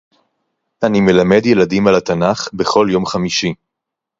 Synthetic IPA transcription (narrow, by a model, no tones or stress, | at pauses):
ʔanime̞lame̞djeladimalat̪anaχbe̞χo̞ljo̞mχamiʃi